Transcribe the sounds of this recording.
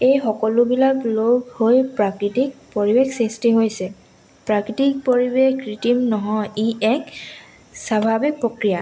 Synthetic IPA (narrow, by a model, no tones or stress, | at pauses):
ejxɔkɔlʊbilakloɡhojpɹakɹitik̚poɹibexsestiɦojsɛ | pɹakɹitik̚poɹibekɹitimnɔɦɔjiɛk | sabʱabik̚pɹokɹija